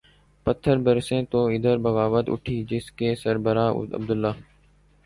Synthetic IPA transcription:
pət̪ʰːəɾbəɾsẽːt̪oːɪd̪əɾbəɣaːʋət̪ʊ̰ʈʰiːd͡ʒɪskeːsəɾbəɾaːʊ̰ə̰b̚d̪ʊlːaː

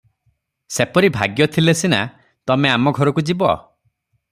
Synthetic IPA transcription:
sepɔɾibʱaɡjɔt̪ʰilesina̰ | t̪ɔmeamɔɡʱɔɾɔkud͡ʒibɔ̰

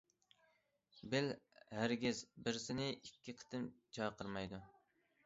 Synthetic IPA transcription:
bɪlhæɾɡʲɪzbɪɾsɪnɪɪkʲʰːiqʰə̥t̪ʰɨmt͡ʃʰɑjqʰəɾmɑjd̪ʊ

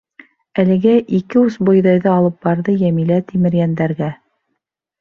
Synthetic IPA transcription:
ælɘ̆ɡæʔikɘusbŏjðɑjðɤɑlˠɤp̚bɑɾðɤjæmilæt̪imɘ̆ɾjænd̪æɾɡæ

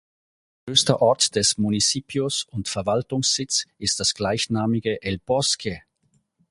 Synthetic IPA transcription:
øːstɐʔɔɐtd̥ɛsmunit͡siːpʰjʊsʊntfɛɐvaltʊŋsz̥ɪt͡sʔɪst̚d̥asɡ̥laɪçnaːmɪɡəʔɛlb̥ɔskʰə

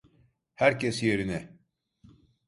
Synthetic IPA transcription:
hæɾcesje̞ɾinɛ

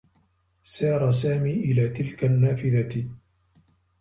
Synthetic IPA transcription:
sɑːɾˤɑs̬aːmiːʔɪlaːt̪ɪlkanːaːfɪðat̪

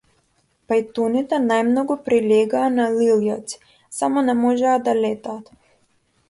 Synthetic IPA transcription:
pajt̪unit̪anajmnɔɡɔpɾilʲeːɡaːnaliljɔt̪si̥ | samɔnamɔʒaːd̪alʲet̪aːt̪

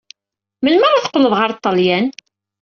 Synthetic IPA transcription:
məlməɾaθqːləðˤʁəɾt̪ˤːɑljæn

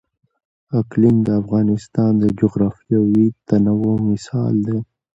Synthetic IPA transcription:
aklɪnd̪əafɣɑnɪst̪ɑnd̪əd͡ʒoɣɾɑfiawit̪anawomɪsɑ̰ld̪e

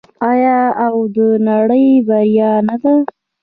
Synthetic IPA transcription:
ɑjɑawd̪ənaɽəjbaɾjɑnad̪a

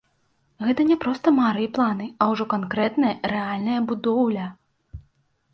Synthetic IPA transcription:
ɣɛt̪ɐnʲɛpɾɔst̪ɐmaɾɨjplˠanɨɐwʐɔkankɾɛt̪nɐjɐɾɛalʲnɐjɐbud̪ɔwlʲɐ

